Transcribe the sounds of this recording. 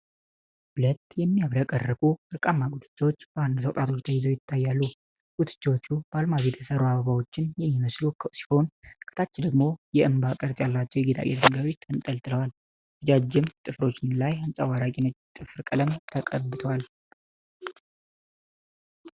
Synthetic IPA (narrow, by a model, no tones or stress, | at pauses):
ʔʊlət̪ːjɛmːiaβɾəkʼərːəkʼuɨɾkʼamːaɡʼut̪ʰɨ̥t͡ʃːawot͡ʃːbəand̪usəwt̪ʼat̪ʰo̞t͡ʃt̪ʰəjɪzowjɪt̪ʰːajːalːu | ɡ̥ʼut̪ʰɨ̥t͡ʃːawot͡ʃːubalmaβet̪ʰjɛsəɾuaβaβawo̞t͡ʃːɪnjɛmːiməslusi̥ho̞nkʰɨ̥t̪ʰat͡ʃːd̪əɡmo̞jɛɨmbakʼəɾt͡ʃʼalːat͡ʃːɛwjɛɡet̪ʰa̰lʔḛt̪ʰmɡawit̪ʰːɨnt̪ʼəlt̪ʰɨləwal | ɨd͡ʒad͡ʒːɪmt̪ʼɨfɾo̞t͡ʃːɪnlajansʼa̰waɾakʼinət͡ʃt̪ʼɨfɨɾkʼələmt̪ʰəkʼə̰bɨt̪ʰəwal